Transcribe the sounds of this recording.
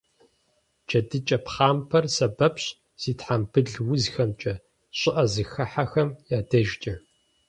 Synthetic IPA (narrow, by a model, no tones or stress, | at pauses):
d͡ʒʰɐdɨt͡ʃʼɐpχaːmpʰɐrsɐbɐpɕ | z̥iːtħambʰɨɮwʊzxɐmt͡ʃʼɐ | ɕʼɪʔɐzɨxɐħaxɐmjaːdɐʒt͡ʃʼɐ